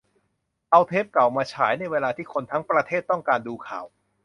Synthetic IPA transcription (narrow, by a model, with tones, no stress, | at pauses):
ʔa˧wt̪ʰe˦˥p̚ka˨˩wmaː˧t͡ɕʰaː˩˦jna˧jweː˧laː˧t̪ʰiː˥˩kʰo˧nt̪ʰa˦˥ŋpɾa˧t̪ʰeː˥˩t̪ːɔ˥˩ŋkaː˧nduː˧kʰa̰ː˨˩w